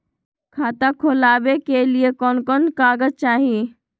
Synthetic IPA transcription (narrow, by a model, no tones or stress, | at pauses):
kʰaːt̪ãkʰolaːʋekeliekɔːnkɔnkaːɡəd͡ʒ̚t͡ʃaːɦie